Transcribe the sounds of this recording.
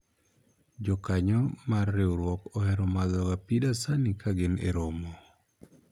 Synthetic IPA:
d͡ʒɔkaɲɔmarːeuɾwɔkɔhɛɾɔmaðɔɡapidasanikaɡɪnḛɾomɔ

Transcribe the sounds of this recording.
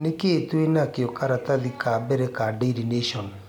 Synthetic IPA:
nekeːtwenakeɔkaɾataðikʰabɛɾɛkadeidineʃɔn

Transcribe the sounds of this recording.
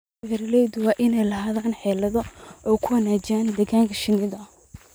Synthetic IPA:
ɣɐɾɐlɛjd̪wɑːʔɪnɛjlɐɦaːðaːnħɛːlɐðɔʔɔːkʰʊwɐnaːd͡ʒaːnd̪ɛɣaːŋkʰɐʃɪnɪðɐɐ

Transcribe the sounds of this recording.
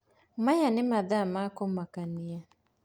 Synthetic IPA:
majanɪmaðamakɔmakania

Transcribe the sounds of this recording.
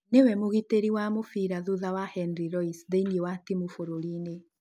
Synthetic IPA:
newɛmoɣiteɾiwamofiɾaðuðawahɛnɾiɾɔisðeniewatimofoɾoɾine

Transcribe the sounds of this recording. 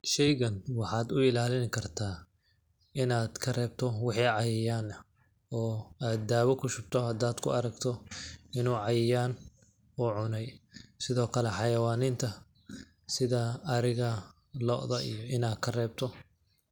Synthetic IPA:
ʃɛjɣɐnwɑħɑːd̪ʊɪlaːlɪnkʰɐrt̪ʰaː | ɪnaːd̪kʰɐrɛːb̚t̪ʰɔwɑħiːʕɑjɪjaːn | ɔːaːd̪d̪aːwɔkʰʊʃʊb̚t̪ʰɔhɐd̪aːd̪kʰʊ̰ɐɾɐɡt̪ʰɔɪnuːʕɑjɪjaːn | ɔːʕʊnɛjsɪðɔːkʰɐlɛħɑjɐwaːnɪnt̪ʰɐ | sɪðɐːɾɪɣɐ | lɔ̰ːʔðɐʔḭjɔɪnaːd̪kʰɐrɛːb̚t̪ʰɔ

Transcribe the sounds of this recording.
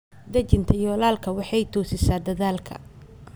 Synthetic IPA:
d̪ɐt͡ʃɪnt̪ʰɐjɔːlaːlkʰɐwɑħɑjt̪ʰɔːsɪsaːd̪ɐðaːlkʰɐ̰

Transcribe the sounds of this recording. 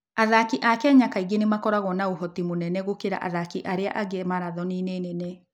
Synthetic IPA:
aðakiʔakɛɲakaiɡenemakɔɾaɣɔnaoɦɔtimonɛnɛɣokeɾa̰ʔa̰ðakiʔaɾea̰ʔaɡɛmaɾaðɔninenɛnɛ

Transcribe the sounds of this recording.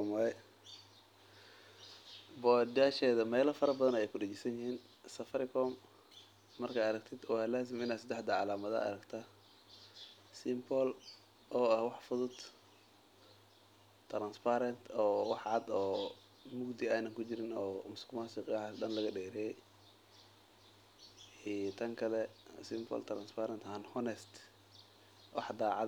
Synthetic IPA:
ɔmɐɾɛ | bɔd̪aːʃɛːðɐmɛːlɐfɐɾɐbɐðɐnɛjɛjkʰʊɖɛt͡ʃɪsɐnjɪhiːn | sɐfɐɾɪkʰɔːmː | ɐrkʰaːɐɾɐɡ̚t̪ʰɪd̪waːlaːs̬ɪmɪnaːd̪sɐd̪ɛħd̪ɐʕɑlaːmɐðɐ̰ʔɐ̰ɾɐɡt̪ʰa | sɪmbɔl | ʔɔːɐhwɑħfʊðʊd̪ | t̪ʰɾanspʰaɾɐnt̪ʰɔːwɑħʕɑd̪ɔː | mʊɡd̪ɪaːnɐŋkʰʊt͡ʃɪɾɪnɔːmʊskʊmaːsɪqadɐnlɐɣɐɖɛːɾɛjɛj | iːt̪ʰɐŋkʰɐlɛsɪmbɔ̰lt̪ʰɾanspʰaɾɐnt̪hɐnhɔnɛst̪ | wɑ̰ħd̪aːʕɑ̰

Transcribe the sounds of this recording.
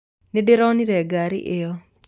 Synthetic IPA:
nedeɾɔniɾɛɡaɾɪ̰ʔɪjɔ

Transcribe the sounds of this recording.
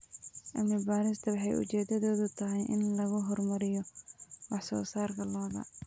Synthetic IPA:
ʔɐmɪbaːɾɪst̪ʰɐwɑħɑjʊ̰t͡ʃɛːd̪ɐðɔːðʊt̪ʰɐɦɛjʔɪ̰nlɐɣʊɦɔrmɐɾɪjɔwɑħsɔ̰ːsaːrkʰɐlɔːɣɐ̰

